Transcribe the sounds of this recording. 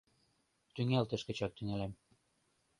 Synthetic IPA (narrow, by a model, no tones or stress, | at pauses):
t̪yŋælʲt̪ɘ̆ʃkɘ̆t͡ɕɑk̚t̪yŋælæm